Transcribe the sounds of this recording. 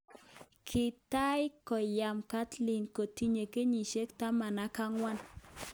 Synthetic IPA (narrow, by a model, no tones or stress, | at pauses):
kʰit̪ajkojamkat͡ɬliŋkot̪iɲekeɲiʃekt̪amanakaŋwan